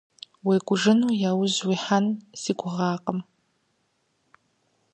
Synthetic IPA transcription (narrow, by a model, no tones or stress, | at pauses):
weːɡʷʊʒɨnuːjaːwʊzwiːħanz̥iːɡʷʊʁɑːqəm